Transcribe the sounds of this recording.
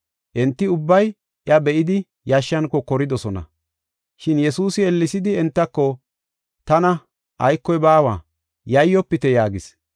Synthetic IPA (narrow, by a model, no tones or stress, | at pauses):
ʔɛnt̪ːɪʊbːɐj | ʔjɐbɛʔɪd̪ɪ | jɐʃːɐnkɔkɔɾɪd̪ɔsɔnɐ̰ | ʃɪnjɛsuːsɪɛlːɪsɪd̪ɪɛnt̪ːɐkːɔ | t̪ɐnɐ | ʔɐjkːɔjbaːwaː | jɐjːɔpːɪt̪ɛjaːɡɪs